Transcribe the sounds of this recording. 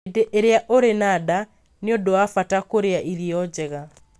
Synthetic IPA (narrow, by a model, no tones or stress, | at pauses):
deʔeɾeaʔoɾenada | neodoafatakoɾeaʔiɾiɔd͡ʑɛɣa